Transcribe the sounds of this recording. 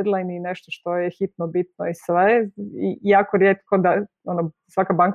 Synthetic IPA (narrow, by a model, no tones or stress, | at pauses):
d̪lˠajnineʃt̪oʃt̪o̞jexit̪nobit̪noisʋeijaːkoɾjet̪kod̪a | onosʋakabaŋk